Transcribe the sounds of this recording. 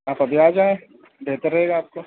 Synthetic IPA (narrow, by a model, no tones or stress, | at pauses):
aːpɐbʱiaːd͡ʒaːẽ | d̪eːt̪eɾɐɦeːɡaːp̚ko